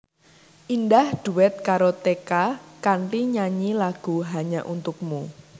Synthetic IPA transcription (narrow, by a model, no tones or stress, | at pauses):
ʔindahɖ̥ṳwɛt̪̚kaɾot̪ekakaɳʈiɲaɲilaɡ̥ṳɦaɲaʔunt̪ʊk̚mu